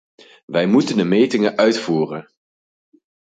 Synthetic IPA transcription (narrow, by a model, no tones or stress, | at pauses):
ʋɛjmutəndəmejtɪŋəʔœɥtfuːrən